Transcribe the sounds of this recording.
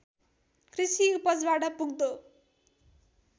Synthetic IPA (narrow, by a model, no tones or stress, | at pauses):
krisipʌt͡sbaʈʌpuɡ̚d̪o